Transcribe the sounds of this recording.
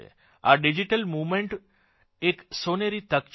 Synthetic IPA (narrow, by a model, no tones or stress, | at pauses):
ḛ | a̰ɖid͡ʒiʈəlmumeɳʈ | eksoneɾit̪əkt͡ʃ